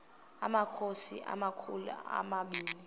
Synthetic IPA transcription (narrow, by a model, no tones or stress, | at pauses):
a̰makʰosiʔa̰makʰulṵa̰maɓiːli